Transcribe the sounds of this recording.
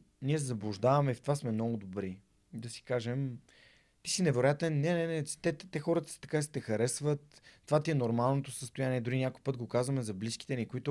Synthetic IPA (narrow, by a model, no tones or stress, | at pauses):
niɛzɐblˠʊʒd̪avɐmɛift̪ovasmɛmnɔɡʊd̪obɾi | d̪ɐsi̥kaʒɛm | t̪isinɛvɛɾoʊjat̪ɛnːɛnɛnɛ̥t̪ɛt̪t̪ɛxɔɾət̪əsi̥t̪ɐ̥kaisɐ̥t̪ɛxɐɾɛsvət̪ːovat̪iɛnoɾmalˠnot̪osəst̪ojaniɛd̪ʊɾinʲakojpɤt̪̚ɡokazvəmɛzɐbliski̥t̪ɛnikoit̪ʊ